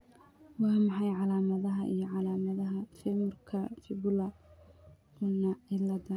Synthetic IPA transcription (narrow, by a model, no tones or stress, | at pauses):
wɑːmɑħɑjʕɑlaːmɐðɐɦɐʔḭjɞʕɑlaːmɐðɐɦɐfɛmʊrkʰɐfɪbʊlɐ | ʊnɐɪlɐd̪ɐ